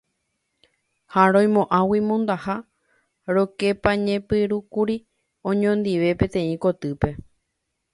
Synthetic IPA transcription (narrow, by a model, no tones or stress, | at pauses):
haɾõj̃mõʔãwimõnd̪aha | ɾo̞ke̞paɲẽ̞pɨɾukuɾi | õ̞ɲõnd̪iʋe̞pẽ̞t̪ẽ̞ĩko̞t̪ɨpe̞